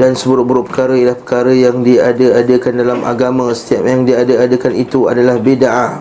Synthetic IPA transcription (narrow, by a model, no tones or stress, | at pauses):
dansəbəuɾʊʔ̚buɾʊpəkaɾailahpə̥kaɾəjaŋdiadəadəkandalama̰ɡamãsə̥t̪iap̚jaŋdiadəadəkanit̪ua̰dalahbidaʔa